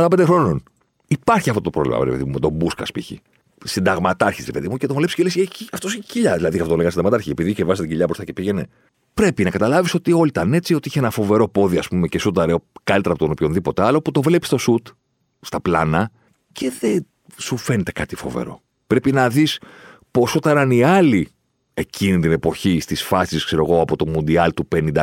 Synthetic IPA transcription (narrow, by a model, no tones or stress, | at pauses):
ɐlɐpend̪exɾo̞non | ipɐɾçiɐft̪ot̪opɾo̞vlḭmɐ̰veɾḛpeðiumet̪o̞buskɐ̰spiçḭ | sind̪ɐɣmɐt̪ɐɾçisɾepe̞ðimucet̪ovle̞pisceliseciɐft̪osiçciʎɐðilɐðiɐft̪ot̪olŋɡɐsid̪ɣmɐt̪ɐɾçiepiðicevɐzst̪t̪ɟiʎɐbɾost̪ɐce̞piɣe̞ne̞ | pɾe̞pinɐkɐt̪ɐlɐviso̞t̪iolit̪ɐne̞t͡sio̞t̪iiçeenɐfo̞ve̞ɾo̞po̞ðiɐspume̞cesut̪ɐɾeo̞kɐlit̪ɾɐpot̪npjçonðipo̞t̪eɐlo̞put̪o̞vle̞pi̥st̪o̞sut̪ | st̪ɐplɐnɐ | ce̞ðen | sufe̞net̪e̞̥kɐt̪ifo̞̰ve̞̰ɾo̞̰ | pɾe̞pinɐðis | po̞sot̪ɐnɐniɐli | e̞cinit̪ine̞po̞çist̪isfɐsiskseɾo̞ɣo̞ɐpo̞t̪o̞mund̪iɐlt̪upe̞nind̪ɐ